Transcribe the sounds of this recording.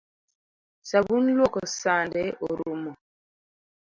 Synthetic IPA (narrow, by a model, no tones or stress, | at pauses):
sabun̩lwɔkɔsandɛɔɾumɔ